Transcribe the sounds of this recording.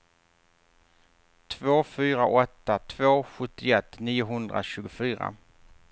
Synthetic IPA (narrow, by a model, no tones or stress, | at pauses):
t̪ʰvoːfyːɾaʔɔt̪ːat̪ʰvoːɧɵt̪ːɪɛt̪ːniːʊɦɵnd̪ɾa̰ɕʉ̟ːɡʊfyːɾa̰